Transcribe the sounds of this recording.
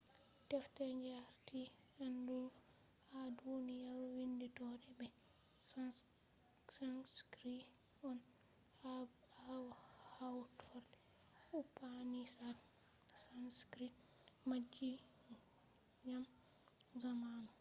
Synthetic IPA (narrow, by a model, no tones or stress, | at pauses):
tɛftɛɲd͡ʒaɾti | ɛndu | hadunijaɾwinditɔdɛbɛ | s | sanskɾi | ɔn | ha | awhawtfɔɾdɛ | upːanisa | sanskɾi | mad͡ʒːi | ɲam | zamanɔ